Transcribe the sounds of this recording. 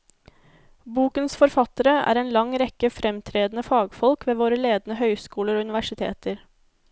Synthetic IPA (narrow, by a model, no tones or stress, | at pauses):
buːkənsfɔɾfɑt̪əɾəæ̰ːɾeːnlɑŋɾɛkəfɾɛmt̪ʰɾeːd̪n̩əfɑːɡfɔlkʋeːʋoːɾəleːd̪nəhœʏskuːləɾoːʉnɪʋæʂɪt̪ʰḛːt̪əɾ